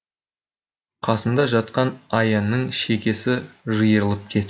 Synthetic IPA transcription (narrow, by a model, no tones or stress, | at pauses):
qʰɑsənd̪ɑʒɑt̪̚qɑnɑjɑnːəɴʃe̞kʲe̞sɪʒəjəɾəlˠəp̚kʲʰe̞t̪